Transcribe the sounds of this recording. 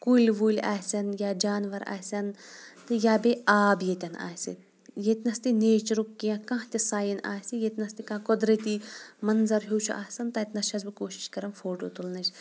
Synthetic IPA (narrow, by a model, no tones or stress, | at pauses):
kulʲʋuːlʲa̰ːsʲɐnjaːd͡ʒaːnʋɐɾa̰ːsʲɐnt̪ɨjaːbeaːbjeːt̪ʲɐna̰ːsʲḭ | jet̪ʲnɐst̪ineːt͡ʃɾukːijãkãːɦt̪ʲisaːjina̰ːsijet̪ʲnɐst̪ikãːkɔd̪ɾɐt̪imɐnzɐɾɦoːt͡ʃʰuʔa̰ːsʲɐnt̪ɐt̪ʲnɐʃʰɐzbɨkoːʃi̥ʃkɐɾɐmfoːʈoːt̪ulnɐt͡ʃ